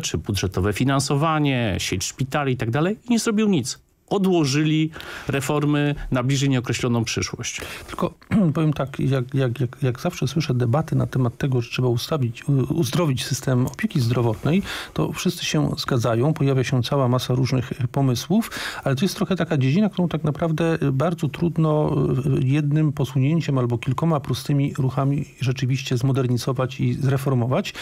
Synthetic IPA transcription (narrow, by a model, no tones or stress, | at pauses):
t͡ʂɘbud̪ʐɛt̪ɔvɛfʲinansɔvaɲɛɕet͡ɕʂpʲit̪alʲiit̪aɡ̚d̪alɛjiɲɛzɾɔbʲiwɲit̪s | ɔd̪wɔʐɘlʲiɾɛfɔɾmɘnablʲiʐɛjɲɛɔkɾɛɕlɔnɔ̃w̃pʂɘʂwɔ̰ɕt͡ɕt̪ɘ̥lkɔpɔvjɛmt̪akjakjakjakjaɡzafʂɛswɘʂɛd̪ɛbat̪ɘnat̪ɛmat̪ːɛɡɔʐɛtʂɛbaust̪avʲiuzd̪ɾɔvʲit͡ɕsɘst̪ɛmɔpʲeɛkʲizd̪ɾɔvɔt̪nɛjt̪ɔ̰fʂɘst̪sɘɕɛzɡad̪zajɔ̃w̃pɔjavʲjaɕɛt̪sawamasaɾuʐnɘxpɔmɘswufalɛt̪ɔjɛst̪ɾɔxɛt̪akad͡ʑed͡ʑinak̚t̪uɾɔ̃w̃t̪aknapɾavd̪ɛbaɾd̪zɔt̪ɾud̪nɔ | jɛd̪nɘmpɔsuɲeɲt͡ɕɛmalbɔkʲilkɔmapɾust̪ɘmʲiɾuxamʲiʐɛt͡ʂɘvʲiɕt͡ɕɛzmɔd̪ɛɾɲizɔvat͡ɕizɾɛfɔɾmɔvat͡ɕ